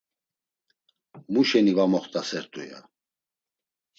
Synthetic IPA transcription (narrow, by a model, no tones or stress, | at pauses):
muʃɛnivamɔχt̪ʼasɛɾt̪ʼuja̰